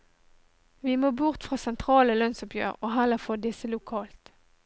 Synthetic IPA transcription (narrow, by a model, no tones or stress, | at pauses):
ʋiːmoːbʊʁt̪fʁɑːsɛnt̪ʰʁɑːləlœnsʊpjø̰ːʁoːɦæləfɔd̪ɪsəlʊkʰɑːlt̪